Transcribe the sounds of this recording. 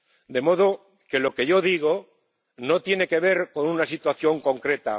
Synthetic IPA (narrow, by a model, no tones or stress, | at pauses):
d̪e̞mo̞ð̞o̞ | ke̞lo̞ke̞ʝo̞ðiɣ̞o̞ | no̞t̪je̞ne̞ke̞β̞e̞ɾko̞nunasit̪waθjo̞ŋko̞ŋkɾe̞t̪a̰